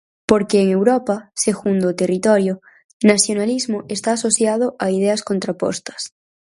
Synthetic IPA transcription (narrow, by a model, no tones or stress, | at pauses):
poɾkeːŋewɾopaseɣund̪ot̪erit̪oɾjo | nasjonalizmoʔest̪aːsoθjað̞oʔaið̞easko̞nt̪ɾapo̰st̪ḁs